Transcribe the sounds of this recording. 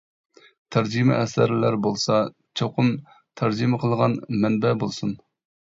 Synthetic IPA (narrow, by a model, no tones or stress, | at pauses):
t̪ʰæɾd͡ʒimɪ̰ʔɛsæɾlæɾbolˠsɑ | t͡ʃʰoqʰʊm | t̪ʰæɾd͡ʒiməqʰəlˠʁɑnmɛnbɛbolˠsun